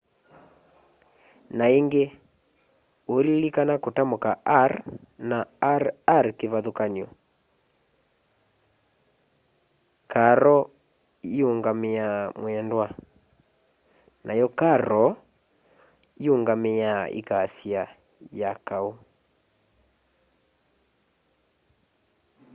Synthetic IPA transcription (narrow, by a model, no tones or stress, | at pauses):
naeŋɡe | olilikanakotamokaʔaɾ | naaɾkeβaðokaniɔ | kaɾɔ | ioŋɡameamwɛndwa | nʔajɔkaɾɔ | ioŋɡamejaʔḭkaːsia | jakau